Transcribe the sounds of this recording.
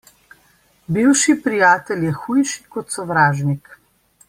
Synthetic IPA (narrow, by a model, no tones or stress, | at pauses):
biwʃipɾijaːt̪ɛljɛxuːjʃi̥kɔt̪sɔʋɾaːʒnik